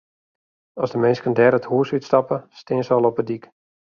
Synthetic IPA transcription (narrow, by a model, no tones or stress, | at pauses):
ɔsdəmɪnskəndɛɾəthuəsytstɑpəstɪːənsəɔlˠɔpədik